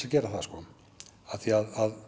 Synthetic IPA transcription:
acɛːɾaθaskɔː | aθiaðað

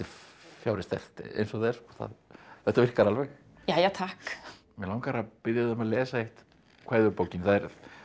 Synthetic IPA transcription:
ɪfjaːwɾɪst̪θɛ̰r̥t̪ɛ̰ḛjnsɔɣðɛ̥skɔθa̰ðɛht̪avɪr̥kaɾalvɛx | jaːjat̪ʰahk | mɛlaːwŋkaɾapɪðjaððamalɛːsaejht̪ | kʰvaːjðʏɾpowcɪnθaðɛɾ

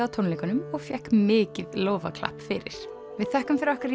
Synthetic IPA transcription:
awt̪ʰownleːkanʏmɔɣfjɛhkmɪːcɪðloːwva̰kʰla̰hpːfɪɾɪ̰ɾ̥ | vɪðθɛhkʏmfɪɾɔhkaɾi

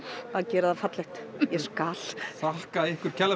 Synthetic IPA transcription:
aðcɛːɾaðafat̪lɪht̪jɛskal̥θahkaðɪhkʏɾ̥cʰɛlːa

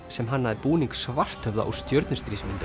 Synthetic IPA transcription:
sɛmɦanːaðɪpuːniŋksvar̥t̪ʰœvða̰ʔɔ̰st̪jœɾt̪nʏst̪ɾismɪnt̪

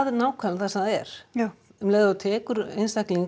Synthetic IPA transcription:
ðɛnaːwkʰvaːlnθasɛmaɛɾ̥ | mleːjðaat̪ʰɛːkʏɾḛjnst̪ahkliŋ

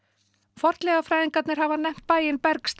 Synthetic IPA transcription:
fɔr̥t̪lɛɣafɾajðiŋkat̪nɪɾ̥havanɛjm̥t̪̚paːjɪnpɛɾkst̪

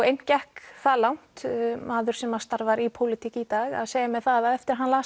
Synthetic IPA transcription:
ejncɛhkθaːlawn̥t̪maːðʏɾ̥sɛmaðst̪aɾvaɾipʰowlɪt̪ʰiːcɪit̪aːɣa̰ðseːjamɛðθaðaðɛft̪ɪɾɾɦanlaː

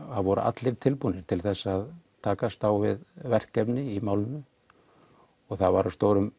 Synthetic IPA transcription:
aðvɔɾʏ̰ʔa̰t̪lɪɾ̥t̪ʰɪlpunːɪɾ̥t̪ʰɪlθɛsːaðt̪ʰaːkast̪awvɪ̰ðvɛr̥kːɛpnɪimaːwlɪnʏ | ɔɣθaðvaɾast̪owɾʏm

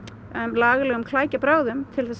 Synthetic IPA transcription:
mlaːɣlɛːɣʏmkʰlaːjcapɾaːwðʏmt̪ʰɪlθɛs

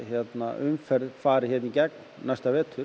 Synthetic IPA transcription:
çjɛt̪na̰ʏmfɛɾðfaːɾɪçjɛt̪nicɛk̚n | najst̪avɛːt̪ʰʏɾ

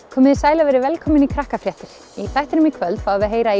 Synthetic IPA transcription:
kʰɔːmɪðsaːjlavɛɾɪvɛlkʰɔːmɪnikʰɾahkafɾjɛht̪ɪɾ̥ | iθajht̪ɪɾnʏmikʰvœlt̪faːðvɪðɦeːjɾai

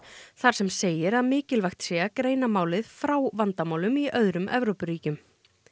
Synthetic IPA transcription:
θaɾ̥sɛmseːjɪɾaðmɪːcɪlvajxt̪sɛːakɾeːjnamaːwlɪðfɾaːwvant̪amaːwlʏmiʔœðɾʏmʔɛvɾowpʏɾiːcʏm

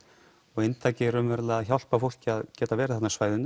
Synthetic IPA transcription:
ɔɣɪnt̪ʰaːjcɪɛɾʏmvɛːɾlaaðçawl̥pafowl̥cɪaðcɛːt̪avɛːɾɪθanːasvaːjðʏn

